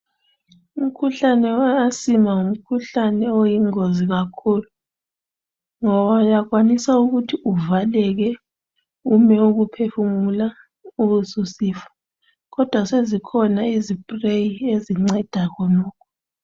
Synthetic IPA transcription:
um̩kʰuɬanɛwaasimaŋum̩kʰuɬanɛojiŋoziɣakʰuːlu | ŋɔβaujaɣwanisauɣutʰiʔuvalɛɣ̬ɛ | umɛuɣupʰefumula | uɣususiːfḁ | ɣɔd̥ʱwasezikʰɔnaizib̥rejieziŋ͡ǀɛd̥ʱakʰɔnɔːkʰɔ̥

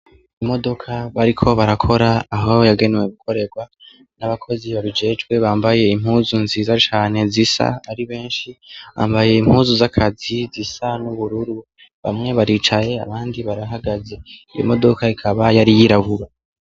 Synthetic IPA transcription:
imo̞do̞kʰaβaɾikʰo̞βaɾakʰo̞ɾaːɦo̞jaɡe̞neweɡukʰo̞ɾe̞ɡwa | naβakʰo̞ziβaβid͡ʒe̞ːd͡ʒɡwe̞βaːmbaje̞im̥huːzunzizat͡ʃaːne̞zisa̰aɾiβe̞ːnʃiβa̰ːmbaje̞im̥huːzuzakʰazizisanuβuɾuɾu | βa̰mŋe̞βaɾit͡ʃaje̞a̰βaːndiβaɾaɦaɡaze̞ijo̞̰mo̞do̞kʰaikʰaβajaɾijiɾaβuɾa

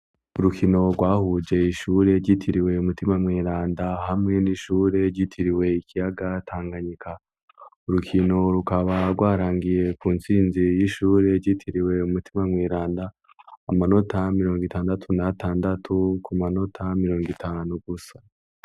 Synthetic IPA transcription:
uɾukʰino̞ɡwaːhud͡ʒe̞iʃuːɾe̞ɾɟitʰiɾiwe̞umutimamwiːɾaːndahamŋe̞niʃuːɾe̞ɾɟitʰiɾiwe̞ikijaɡatʰaːŋɡaɲikʰa | uɾukʰino̞ɾukaβaɾɡwaːɾaːŋɡije̞kuːnsiːnzijiʃuːɾe̞ɾɟitʰiɾiwe̞umutʰimamwiːɾaːndaː | mano̞tamiɾo̞ːŋɡitʰaːndatʰunatʰaːndatʰukʰumano̞tʰamiɾo̞ːŋɡitʰaːnuɡ̥usḁ

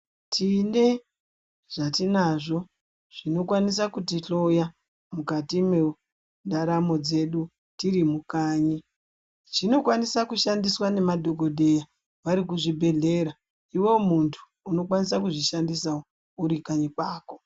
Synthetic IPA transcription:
tʰine̞ | ʐ̥atinaʐo̞ | ʐ̥ino̞kwanis̬akutiɬo̞ja | mukatime | ndaɾamo̞d͡ze̞ɗu | tirimukaːɲi | t͡ʃino̞kwanisakuʃandiswane̞madʱo̞ɡo̞ɗe̞ja | ʋaɾikuʐibʱe̞ɮe̞ɾa | iwe̞muntʰu̥ːno̞kwanisakuʐiʃandisao | uɾikaɲikwaːko̞

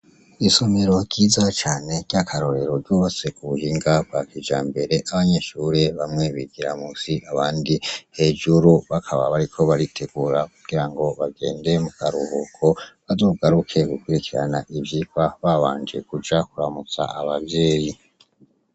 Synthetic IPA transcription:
iso̞meɾo̞ɟiːzat͡ʃaːne̞ɟ̥akʰaɾo̞ɾe̞ɾo̞ɾɟoβasekuβuhiːŋɡab̚ɡakid͡ʒa̰ːmbe̞ɾe̞ʔaβaɲeʃuɾe̞βamŋe̞βiɡ̥iɾa̰musiʔaβaːndihe̞ʒuɾuβakʰaβa̰βaɾikʰo̞βaɾitʰe̞ɡuɾakuɡ̥iɾaŋɡo̞βaɡe̞̰ːnde̞mukaɾuhukʰo̞βazo̞ːɡaɾukʰe̞ɡukwiɾikiɾa̰naʔibjikwaβaβaːɲd͡ʒe̞̰kud͡ʒakuɾamut͡sa̰aβavjeːji

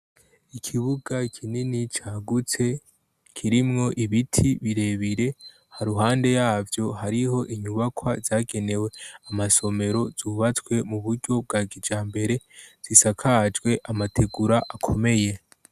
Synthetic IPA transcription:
ikʰiβuɡakʰininit͡ʃaːɡut͡se̞ | kʰiɾimŋo̞ʔiβitʰiβiɾe̞βiɾe̞ | haɾuɦaːnde̞jaːvjo̞ɦaɾiɦo̞ʔiɲuβakʰwazaːɡe̞ne̞we̞amaso̞me̞ɾo̞z̥uːβat͡swe̞muβuɾɟo̞b̚ɡaːɡid͡ʒaːmbe̞ɾe̞z̥isakʰad͡ʒɡwe̞ʔamatʰe̞ɡuɾaʔakʰo̞me̞je̞

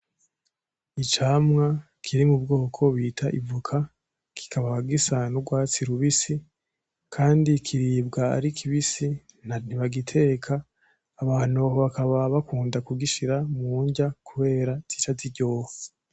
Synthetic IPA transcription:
it͡ʃaːmŋa | kʰiɾimubɡo̞ːkʰo̞βitʰaʔḭvukʰa | kʰi̥kʰaβaβaɡisanuɡwaːt͡siɾuβisi | kʰaːndikʰiɾiːbɡaa̰ɾikʰiβisi | n̥aniβaɡitʰe̞ːkʰaː | βaːn̥huaɦoβakaβaβakuːndakuɡiʃiɾamuːɲɟakʰuβe̞ːɾazit͡ʃaziɟo̞ːfu̥

